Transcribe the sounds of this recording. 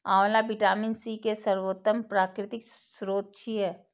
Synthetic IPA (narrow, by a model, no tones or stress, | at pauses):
aːwlabɪʈaːmɪnsikesəɾwoːt̪ːəmpɾaːkɾɪt̪ɪksɾoːt̪̚t͡ʃʰiɦɛː